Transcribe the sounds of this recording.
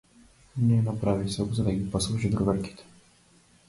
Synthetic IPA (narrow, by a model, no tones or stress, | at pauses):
nɛnapɾavisɔkzad̪aɡʲipɔslˠuʒid̪ɾuvɛɾki̥t̪ɛ̥